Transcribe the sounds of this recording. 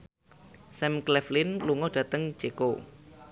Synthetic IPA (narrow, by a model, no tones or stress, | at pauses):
sɛmklɛflɪnluŋɔd̥ä̤t̪əŋ̥d͡ʒ̥eko